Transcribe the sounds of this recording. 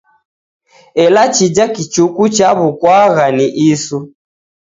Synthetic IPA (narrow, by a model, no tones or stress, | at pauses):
ɛlat͡ʃid͡ʒakit͡ʃukut͡ʃaβukwaɣaniʔisu